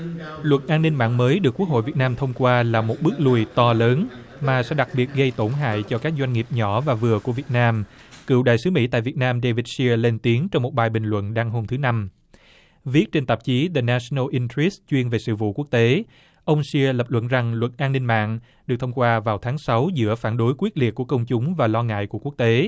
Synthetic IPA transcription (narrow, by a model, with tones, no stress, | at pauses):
lwə˨˩t̚ʔaː˧nːi˧nma̰ː˧˨ŋməː˨˦jɗɨ˨˩əkːu˦˥əkho̰˧˨jvi˨˩t̚naː˧mt̪ʰə˧wŋ͡mkwaː˧laː˨˩mo˨˩t̚ɓɨ˦˥ək̚lu˨˩əjt̪ɔ˧ləː˨˦n | maː˨˩sɛ̰˧˥ɗa˨˩k̚ɓi˨˩ət̚ɣə˧jt̪o˧˩nɦa̰ː˧˨jt͡ɕɔ˧kaː˦˥k̚zwa˧jŋ̟ŋi˨˩əp̚ɲɔ˧˩vaː˨˩vɨ˨˩əku˧˩əvi˨˩ət̚naː˧mkɨ̰˧˨wɗa̰ː˧˨jsɨ˨˦mḭ˧˥t̪a̰ː˧˨jvi˨˩ət̚naː˧mɗe˧vi˨˧˩t̚si˧əle˧nt̪i˨˦əŋt͡ɕɔ˧wŋ͡mmo˨˩t̚ɓaː˨˩jɓï˩ŋlwə̰˧˨nɗaː˧ŋɦo˧mt̪ʰɨ˨˦na˧m | vi˦˥ət̚t͡ɕe˧nt̪aə˨˩p̚t͡ɕi˨˦ðə˨˩naː˧snə˧ʔi˧ntɹi˦˥s̚t͡ɕwi˧ənve˨˩sɨ̰˧˨vṵ˧˨ku˦˥ək̚t̪e˨˦ | ʔə˧wŋ͡msi˧lə˨˩p̚lwə̰˧˨nza˨˩ŋlwə˨˩t̚ʔaː˧nːï˧ŋ̟ma̰ː˧˨ŋ | ɗɨ˨˩k̚t̪ʰə˧wŋ͡mkwaː˧vaː˨˩wt̪ʰaː˨˦ŋsa˨˦wzɨ̰˧˥əfaː˧˩nɗo˨˦jkwi˦˥t̚li˨˩əkːu˧˩əkə˧wŋ͡mt͡ɕʊ˨˦ŋ͡mvaː˨˩lɔ˧ŋa̰ː˧˨jku˧˩əku˦˥ək̚t̪e˨˦